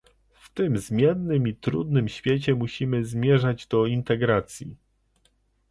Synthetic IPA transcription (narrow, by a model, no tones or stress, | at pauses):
ft̪ɘmzmʲjɛnːɘmit̪ɾṵd̪nɘmɕfʲjet͡ɕɛmuɕimɘzmʲjɛʐad͡ʑd̪ɔint̪ɛɡɾat̪sʲjḭ